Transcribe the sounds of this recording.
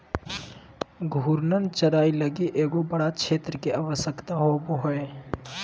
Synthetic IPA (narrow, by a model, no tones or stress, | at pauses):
ɡʱuːɾnənt͡ʃəɾaːiləɡiʔeːɡobəɽat͡ʃʰeːt̪ɾəkeaːʋəsjəkt̪aɦoboɦoe